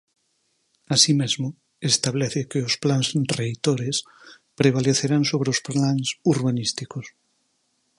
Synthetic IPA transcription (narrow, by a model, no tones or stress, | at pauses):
asimezmʊ | est̪aβ̞lɛθekeosplansrejt̪oɾes | pɾeβ̞aleθeɾansoβɾeosplaŋsuɾβanist̪ikos